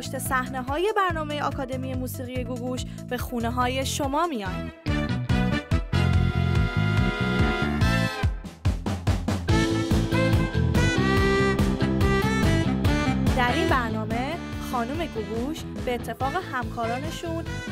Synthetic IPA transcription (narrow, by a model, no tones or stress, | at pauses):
oʃt̪e̞sæhneɦɒːje̞bæɾnɒːme̞je̞ɒːkʰɒːd̪e̞mije̞muːsiːɣije̞ɡuɡuʃ | b̥e̞xuːneɦɒːje̞ʃo̞mɒːmijɒn | d̪̥æɾinbæɾnɒːme̞ | xɒːnuːme̞ɡuɡuʃ | b̥e̞ːt̪ʰːe̞fɒːɣe̞hæmkʰɒːɾɒːne̞ʃun